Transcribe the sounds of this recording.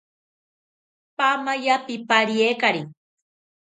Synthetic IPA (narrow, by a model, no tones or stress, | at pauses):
pamajapipaɾjekaɾi